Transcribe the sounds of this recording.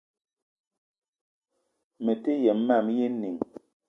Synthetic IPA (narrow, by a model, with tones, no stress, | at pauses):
me˨te˦jɛ˨m˦ma˦˨mje˦ni˨ŋ